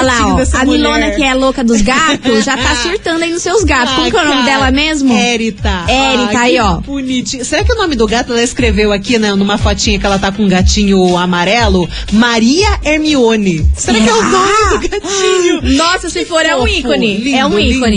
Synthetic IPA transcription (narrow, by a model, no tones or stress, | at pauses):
laɔd̪ɛsamilõnɐkɪɛlokɐd̪ʊzɡat̪ʊzʒat̪asuɾt̪ɐ̃nd̪ainʊsewzɡat̪ʊskõmukɛwnõmɪd̪ɛlɐmezmʊɛɾit̪aɛɾiaiɔbunit͡ʃĩseɾakɪʊnõmɪd̪ʊɡat̪ʊɛlɐɪskɾevewakinɛnũmɐfɔt͡ʃĩɲɐkɪɛlɐt̪akõɡat͡ʃĩɲʊamaɾɛlʊ | maɾiɐeɾmiõnɪseɾakkɪɛʊnõmɪd̪ʊɡat͡ʃĩɲʊnɔsɐsɪfoɾɛũikonɪlĩɛũiĩkõnɪ